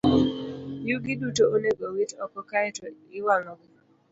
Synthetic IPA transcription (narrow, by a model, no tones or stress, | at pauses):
juɡidutoʔoneɡɔwitɔkɔkaɛtɔɪwaŋɔk